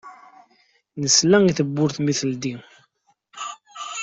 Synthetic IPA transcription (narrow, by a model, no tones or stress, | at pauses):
nəslæŋiθəbːʊɾθmiθəld̪i